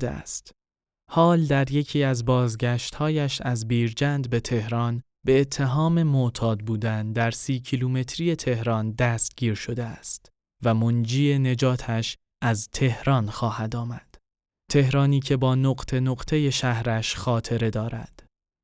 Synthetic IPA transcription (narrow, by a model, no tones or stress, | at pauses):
d̪eæ̰st̪ | hɒːld̪æɾje̞cʰiːæzbɒːzɟæʃt̪hɒːjæʃæzbiːɾd͡ʒænd̪be̞t̪ʰe̞hɾɒːn | be̞ːt̪ʰːe̞ɦɒːme̞mot̪ʰɒːd̪̚buːd̪ænd̪æɾsiːcʰiluːme̞t̪ʰɾije̞t̪ʰe̞hɾɒːnd̪æst̪̚ɟiːɾʃo̞d̪e̞æst̪ | væmond͡ʒiːe̞ne̞d͡ʒɒːt̪ʰæʃ | ʔæzt̪ʰe̞hɾɒːnxɒːhæd̪ɒːmæd̪̥ | t̪ʰe̞hɾɒːniːcʰe̞bɒːnoɢt̪ʰe̞noɡt̪ʰe̞je̞ʃæhɾæʃxɒːt̪ʰe̞ɾe̞d̪ɒːɾæ̰d̪̥